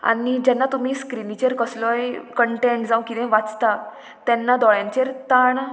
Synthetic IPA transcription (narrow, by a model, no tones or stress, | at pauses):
a̰nid͡ʑɛnːat̪um̤iːskɾinit͡ɕeɾkəslɔjkəɳʈẽɳʈd͡zãw̃kid̪ɛ̃ʋat͡st̪a | t̪ɛnːad̪ɔjãɲt͡ɕeɾt̪aɳ